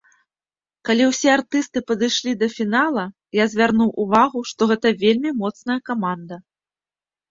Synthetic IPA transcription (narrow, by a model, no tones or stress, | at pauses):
kalʲiwsʲɛart̪ɨst̪ɨpɐd̪ɨjʂlʲid̪ɐfʲinalˠɐ | jazʲvʲarnuwʔuvaɣuʂt̪ɔɣɛt̪ɐvʲelʲmʲimɔt̪sn̪ɐjɐkamand̪ɐ